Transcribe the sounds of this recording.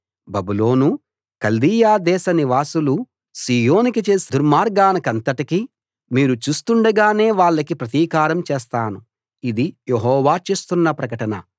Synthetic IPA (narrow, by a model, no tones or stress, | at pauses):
bɐbulo̞ːnu | kɐld̪iːjaːd̪ɛːʃɐniʋaːsulu | siːjo̞ːnikit͡ʃeːsid̪uɾmaːɾɡaːnɐkɐnt̪ɐʈiki | miːɾut͡ʃuːst̪uɳɖɐɡaːne̞ːʋaːɭːɐkipɾɐt̪iːkaːɾɐmt͡ʃɛːst̪aːnu | id̪ijeɦɔːʋaːt͡ʃeːst̪unːɐpɾɐkɐʈɐnɐ